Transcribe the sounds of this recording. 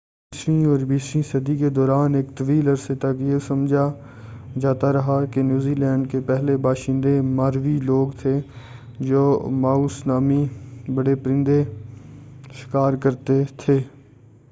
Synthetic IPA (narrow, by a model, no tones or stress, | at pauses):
isɾĩɔːɾbiːsɾĩsəd̪iked̪ɔːɾaːneːkt̪əʋiːlɐɾset̪ɐkjesɐmd͡ʒʱa | d͡ʒaːt̪aɾɐɦakenjuːziːlɛ̃ːɳɖ̚kepɛɦlebaːʃɪ̃nd̪emaːɾʋiloːɡt̪ʰe | d͡ʒoːmaːuːsnaːmibɐɽepɾɪ̃nd̪e | ʃɪ̥kaːɾkəɾt̪et̪ʰeː